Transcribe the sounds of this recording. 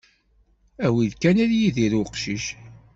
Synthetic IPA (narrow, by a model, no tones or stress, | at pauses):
æwiðkænæljiðiɾuqʃiʃ